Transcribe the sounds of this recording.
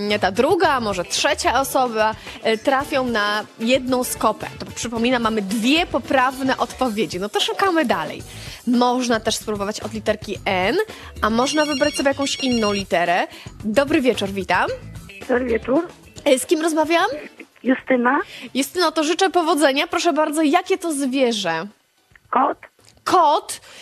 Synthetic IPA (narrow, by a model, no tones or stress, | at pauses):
t̪ad̪ɾuɡamɔʐɛtʂɛt͡ɕaɔsɔbat̪ɾafʲjɔ̃w̃najɛd̪nɔ̃w̃skɔpɛ̰t̪ɔpʂɘpɔmʲinamːamɘd̪vʲjɛpɔpɾavnɛʔɔt̪pɔvʲjed͡ʑinɔt̪ɔʂukamɘd̪alɛ̰j | mɔʐnat̪ɛʂspɾubɔvat͡ɕɔd̪lʲit̪ɛɾkʲiɛn | amɔʐnavɘbɾat͡ɕsɔbʲjejakɔ̃w̃ɕinːɔ̃w̃lʲit̪ɛɾɛd̪ɔbɾɘvʲjɛt͡ʂuɾvʲit̪amd̪̥ɔbɾɘvʲjɛt͡ʂuɾ | skʲimɾɔzmavʲjawam | just̪ɘnajust̪ɘnat̪ɔʐɘt͡ʂɛpɔvɔd̪zɛɲapɾɔʂɛbaɾd̪zɔjakʲɛt̪ɔzvʲjɛʐɛ | kɔt̪ | kʰɔt̪